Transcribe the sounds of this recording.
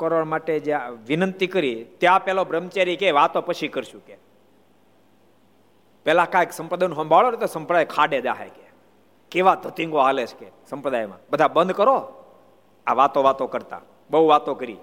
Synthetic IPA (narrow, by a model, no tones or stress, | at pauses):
kəɾəɭmaʈed͡ʒaʋinənt̪ikəɾit̪jãpɛlobʱɾəmt͡ʃeɾikeʋat̪opət͡ʃʰikəɾʃũke | pɛlãkãeksəmpɾəd̪ənuɦəmbʱaɭoɾet̪osəmpɾəd̪ajkʰaɖed͡ʒ̪a̰ɦɛ̰ke | keʋad̪ʱət̪iŋɡoɦalet͡ʃʰkesəmpɾəd̪ajmã̰bəd̪ʱabənd̪ʱkəɾo | a̰ʋat̪oʋat̪okəɾt̪a̰ | bəuʋat̪okəɾḭ